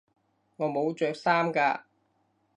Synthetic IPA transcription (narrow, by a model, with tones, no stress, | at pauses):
ŋɔː˨˧mo˨˧wt͡ʃœː˨˧k̚saː˥mkaː˧